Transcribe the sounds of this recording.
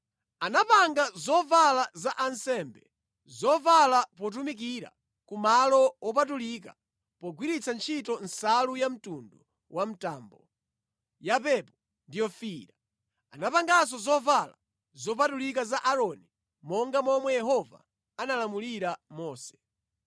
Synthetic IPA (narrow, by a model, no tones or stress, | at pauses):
anapaŋɡazɔvalazaʔansɛmbɛ | zɔvalapɔt̬umik̬iɾa̰ | kumalɔɔpatulika | pɔɡwiɾit͡sʰant͡ʃʰitɔn̩salujam̩tundu | wam̩taːmbɔ | japɛpɔ | ndijɔfiɾa | anapaŋɡasɔzɔvala̰ | zɔp̬atulikazaʔaɾɔni | mɔŋɡamɔmwɛjɛhɔva̰ | analamuliɾamɔːsɛ̥